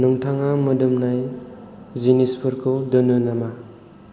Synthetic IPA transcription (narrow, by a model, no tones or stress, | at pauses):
nuŋtʰaŋamɯdɯmnaj | zinispʰuɾkʰɯdɯnɯnama